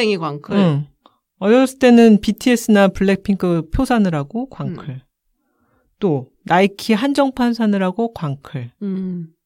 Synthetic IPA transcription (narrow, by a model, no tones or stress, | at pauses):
eŋikwaŋkʰɯɯ | ʌɾʌs͈ʰɯ̥t͈e̞nɯnpitʰies͈ʰɯnapuɭːe̞k̚pʰiŋkʰɯpʰjosʰanɯɾaɡokwaŋkʰɯɭ | t͈o | naikʰiɦand͡ʑʌŋpʰansʰanɯɾaɡokwaŋkʰɯɭ